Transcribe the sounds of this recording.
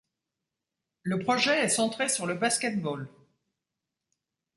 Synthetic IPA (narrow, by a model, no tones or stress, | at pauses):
ləpχɔʒɛɛsɑ̃t̪χesyʁləbaskʲɛt̪̚bɔl